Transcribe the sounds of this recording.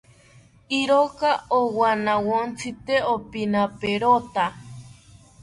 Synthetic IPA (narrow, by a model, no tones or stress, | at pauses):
iɾokaowanawont͡sʰɨt̪eopinapeɾot̪a